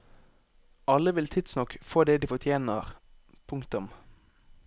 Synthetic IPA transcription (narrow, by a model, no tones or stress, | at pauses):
ʔɑləʋɪlt̪ʰɪd̪snɔkfoːd̪eːd̪iːfɔt̪ʰjeːnəʁ | pʰʊŋkt̪ʊm